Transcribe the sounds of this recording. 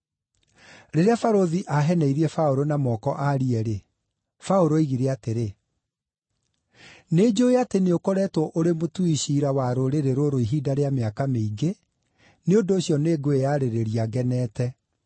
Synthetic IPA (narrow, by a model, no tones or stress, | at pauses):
ɾeɾeafaɾoðiʔaɦɛnɛiɾiɛfaoɾonamɔːkɔʔaɾiɛɾe | faoɾoiɣiɾɛateɾe | ned͡ʑoeateneokɔɾɛtwɔʔoɾemotuiɕiːɾawaɾoɾeɾeɾoɾoiɦidaɾeameakameiɡe | neondoːɕjɔneːɡoejaɾeɾeɾiaɡɛnɛːtɛ